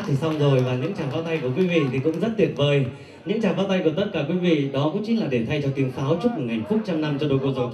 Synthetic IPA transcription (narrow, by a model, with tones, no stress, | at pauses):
t̪ʰi˨˩sa˧wŋ͡mzo˨˩jvaː˨˩ɲɨ̰˧˥ŋt͡ɕaː˧˩faː˨˦wt̪a˧jku˧˩əkwi˨˦vḭ˧˨t̪ʰi˨˩kʊ̰˧˥ŋ͡mzə˦˥t̚t̪i˧˩ət̚vəː˨˩j | ɲɨ̰˧˥ŋt͡ɕaː˨˩ŋfaː˨˦wt̪a˧jku˧˩ət̪ə˦˥t̚kaː˧˩kwi˨˦vḭ˧˨ɗɔ˨˦kʊ̰˧˥ŋ͡mt͡ɕi˨˦nlaː˨˩ɗe˧˩nt̪ʰa˧jt͡ɕɔ˧t̪i˨˦əŋsaː˨˦wt͡ɕu˦˥t̚mo˨˩ŋa˨˩jŋ̟fu˦˥t̚t͡ɕa˧mna˧mt͡ɕɔ˧ɗo˧jko˧zɔ˨˦